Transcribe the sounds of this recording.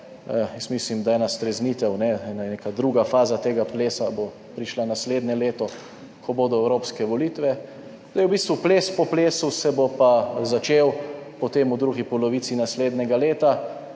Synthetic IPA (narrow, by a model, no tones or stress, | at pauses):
jɛsmiːslimd̪ajɛːnast̪ɾɛzniːt̪ɛwnɛɛnanekad̪ɾuɡafaːzat̪eːɡapleːsabo | pɾiʃlanasleːd̪nɛleːt̪ɔ | kʰɔboːd̪ɔɛwɾoːpskɛʋɔliːt̪ʋɛ | d̪̥ajɛwbist̪ʋupleːspɔpleːsusɛbopazat͡ʃeːwpɔt̪emud̪ɾuɡipɔlɔʋiːt̪sinasleːd̪nʲɛɡaleːt̪a